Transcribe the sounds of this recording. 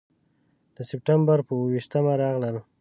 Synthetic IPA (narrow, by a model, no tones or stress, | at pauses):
d̪̥əsɪp̚ʈambaɾpəwwiʃt̪əmaɾɑɣləl